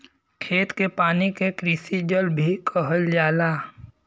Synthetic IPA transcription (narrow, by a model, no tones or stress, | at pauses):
kʰeːt̪kepaːnikekɾɪsid͡ʒəlbʱikʰəɦəld͡ʒaːlaː